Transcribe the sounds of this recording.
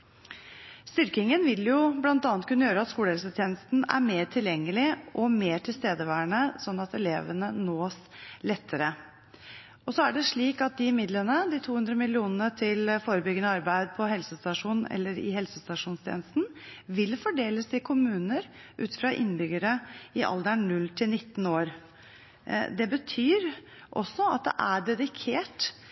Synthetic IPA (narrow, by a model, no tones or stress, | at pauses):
st̪ʏɾkɪŋənʋɪljʊblɑnt̪ɑnt̪kʰʉnːəjøːɾəɑt̪skuːləhɛlsət̪ʰjeːnəst̪n̩æ̰ɾmeːɾʈʰɪljɛŋːəlɪʔɔmeːʈʰɪlst̪eːd̪əʋæːəɳəsɔnːɑt̪ɛleːʋənənoːslɛt̪ʰːəɾə | ʔɔsɔæɖɛʂɭiːkɑt̪̚d̪ɪɪmɪd̪lənəd̪ɪt̪ʰuːhʉnd̪ɾəmɪlɪuːnənət̪ʰɪlfoːɾəbʏɡənəɑɾbæɪd̪̚pʰɔɦɛlsəst̪ɑʂuːnnʔɛ̰lːəɾɪ̰ɦɛlsəst̪ɑʂuːnst̪ʰḛːnəst̪n̩ʋɪlfɔɖeːləsɪkʰʊmʉːnəɾʔʉ̰ːt̪fɾɑʔɪ̰nːbʏɡəɾəɪʔɑ̰ld̪əɳnʉlt̪ʰɪlnɪt̪ːn̩oːɾ | d̪ɛbət̪ʰyːɾ | ʔɔ̰sːɔɑ̰t̪̚d̪ɛ̰ʔæɖɛd̪ɪkʰeːʈ